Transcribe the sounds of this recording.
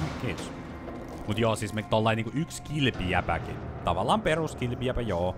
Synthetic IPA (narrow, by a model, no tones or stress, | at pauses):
ikiːt̪s | mut̪joːsismet̪olːɑˑiniːŋkuykskilpiæpæ̰kḭt̪ɑʋɑlːˑɑːmperuskilpiæpæjoː